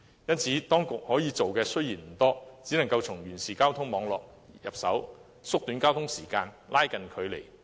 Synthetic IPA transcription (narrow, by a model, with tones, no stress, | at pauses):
jɐ˥nt͡sʰiː˨˥t̪ɔː˥ŋkʊ˨k̚hɔː˨˥jiː˨˧t͡so˨wkɛː˧sɵ˥ɥjiː˨˩nm̩˨˩t̪ɔː˥t͡siː˨˥nɐ˨˩ŋkɐ˧wt͡sʰʊ˨˩ŋjyː˨˩nsiː˨˩kaː˥wt̪ʰʊ˥ŋmɔː˨˧ŋlɔː˨k̚ | jɐ˨p̚sɐ̰˨˥w | sʊ˥k̚t̪yː˨˧˥nkaː˥wt̪ʰʊ˥ŋsiː˨˩kaː˧nlʔaː˥jkɐ˨nkʰɵ˨˧ɥlḛ˨˩j